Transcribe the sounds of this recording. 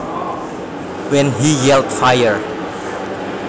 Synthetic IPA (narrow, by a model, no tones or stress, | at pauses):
wɛ̃nɦijɛltfajəɹ